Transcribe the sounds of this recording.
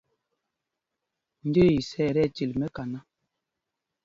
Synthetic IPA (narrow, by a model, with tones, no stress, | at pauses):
n̩˦de˦˨i˨sɛ˦˨ɾɛ˦˨ti˨lmɛ˦ka˨na˦